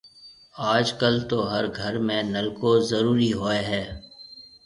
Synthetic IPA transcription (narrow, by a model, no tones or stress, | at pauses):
aːd͡ʒkəlt̪oɦɐɾɡʱɐɾmẽnɐlkozɐɾuːɾiɦoːeɦɛː